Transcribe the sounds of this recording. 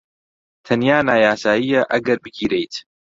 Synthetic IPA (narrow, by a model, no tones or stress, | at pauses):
t̪ʰɐnjaːnaːjaːsaːjijɐʔɐɡɐɾbɨɡiːɾejt̪